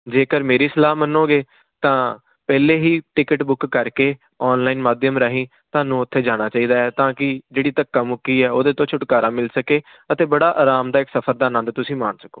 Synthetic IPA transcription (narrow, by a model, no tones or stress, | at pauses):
d͡ʒeːkəɾmeːɾiːsəlaːmənõːɡeː | t̪ãː | pɛːleːɦiːʈɪkəʈbʊkːəɾkeː | ɔːnlaːiːnmaːd̪jəmɾəɦĩː | t̪ʊaːnũːʊt̪ʰːeːd͡ʒaːɽ̃aːt͡ʃaːiːd̪aːɛːt̪ãːkɪd͡ʒeːɽiːt̪əkːaːmʊkːiːɛːoːd̪eːt̪õːt͡ʃʰʊʈkaːɾaːmɪlsəkeː | ət̪eːbəɽaːʔaːɾaːmd̪aːɪksəpʰəɾd̪aːnə̃nd̪t̪ʊsĩːmaːɳsə̥koː